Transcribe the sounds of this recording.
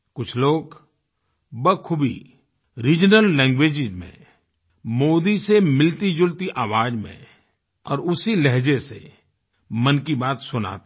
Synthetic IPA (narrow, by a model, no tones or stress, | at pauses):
kʊt͡ʃʰloːɡ | bəkʰʊbʱḭ | ɾiːd͡ʒnəlːɛ̃ːŋɡweːd͡ʒɪzmḛ̃ | moːd̪isemɪlt̪id͡ʒʊlt̪iʔaːʋaːd͡ʒmḛ̃ | ɔ̰ːɾʊsilɛɦd͡ʒesḛ | mɐnkibaːt̪sʊna̰ːt̪